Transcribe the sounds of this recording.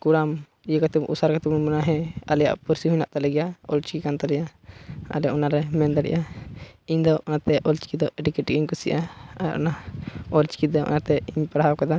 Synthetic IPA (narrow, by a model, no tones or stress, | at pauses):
kuɽam | ijəkat̪upʔṵsaɾkat̪ubnmunaɦɛ̃alɛja̰ʔpuɾsiɦuɲnaʔt̪alɛɡɛjaɔ̰lt͡ʃi̥kikant̪alɛjaa̰lɛjaʔɔnaɾɛmɛnd̪aɽɛ̰ʔaiɲd̪ɔʔɔnat̪ɛʔɔlt͡ʃi̥kid̪ɔʔɛʈikɛʈkiɲkusiʔaaɾʔɔ̰naɔlt͡ʃi̥kid̪ɔʔɔ̰nat̪ɛiɲpaɽɦawkad̪a